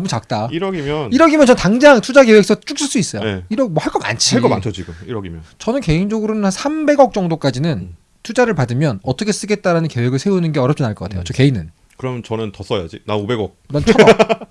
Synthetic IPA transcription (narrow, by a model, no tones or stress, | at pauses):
nʌmut͡ɕak̚t͈aiɾʌɡimjʌniɾʌɡimjʌnt͡ɕʌntaŋd͡ʑaŋtʰud͡ʑaɡe̞we̞ksʰʌt͡ɕ͈uk̚s͈ɯɭs͈uis͈ʌjoeiɾʌmwʌhaɭk͈ʌɡa̰nt͡ɕʰiaɭkʌma̰nt͡ɕʰʌd͡ʑiɡuiɾʌɡimjʌnt͡ɕʌnɯnke̞iŋd͡ʑʌɡɯɾonɯnhansʰambe̞ɡʌk̚t͡ɕ͈ʌŋdok͈ad͡ʑinɯn | tʰud͡ʑaɾɯɭpadɯmjʌnʌtʰʌkʰes͈ɯɡe̞t̚t͈aɾanɯnke̞we̞ɡɯɭsʰe̞unɯnɡe̞ʌɾjʌpt͡ɕ͈inaɭk͈ʌk͈atʰejot͡ɕʌke̞inɯn | kɯɾʌmjʌnt͡ɕʌnɯntʌs͈ʌja̰d͡ʑinaobe̞ɡʌk̚nat͡ɕʰa